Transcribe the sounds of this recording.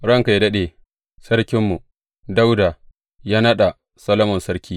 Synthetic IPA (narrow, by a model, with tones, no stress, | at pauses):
ɽɐ˦ŋka˨jdɐ˦ɗe˨ | sɐ˦ɽkʲɪ˦mːu˨ | da˦wda˨ | jaː˦nɐ˦ɗa˨ | sɐ˦lɐ˦mɔ˨nsɐ˦ɾkʲiː˦